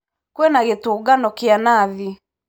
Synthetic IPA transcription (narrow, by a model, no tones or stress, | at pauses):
kwenaɣetoɡanɔkeanaði